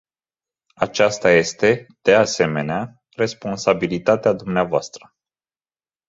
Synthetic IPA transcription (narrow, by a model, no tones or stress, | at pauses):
at͡ʃast̪aje̞st̪e̞d̪̥e̞ase̞me̞nea | re̞spo̞nsabilit̪at̪ead̪umneavoa̰st̪ɾə